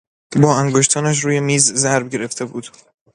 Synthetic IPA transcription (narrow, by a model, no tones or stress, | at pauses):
bɒːæŋɡoʃt̪ʰɒːnæʃ̬ɾuːjemiːzzæɾbɟe̞ɾe̞ft̪ʰe̞buːd̪̥